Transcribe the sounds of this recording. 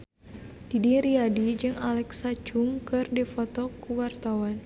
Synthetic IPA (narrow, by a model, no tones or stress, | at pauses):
d̥idiɾiadid͡ʒɨŋalɛksat͡ʃuŋkɨrdifɔt̪ɔkuwart̪awan